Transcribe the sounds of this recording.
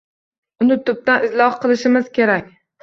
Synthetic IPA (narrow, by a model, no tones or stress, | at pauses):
ʊnɪt̪ʰʊp̚t̪anɪslˠɒhqʰɨlˠɪʃɪmɪz̥kʲʰe̞ɾakʲ